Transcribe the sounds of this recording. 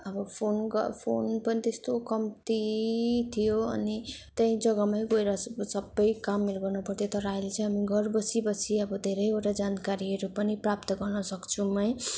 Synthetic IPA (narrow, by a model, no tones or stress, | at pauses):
ʌbʌpʰonɡʌpʰonpʌnit̪est̪okʌmt̪it̪ʰijoʌ̰nit̪ʌĩd͡zʌɡamajɡoeɾʌsʌbːʌjkamːeɾɡʌrnupʌrt̪ʰjot̪ʌɾajlet͡saĩɦamiɡʌrbʌsibʌsiʌbʌd̪ʱeɾʌjeʈad͡zankaɾiɦʌɾupʌniprap̚t̪ʌɡʌrnʌsʌkt͡sʰumʌj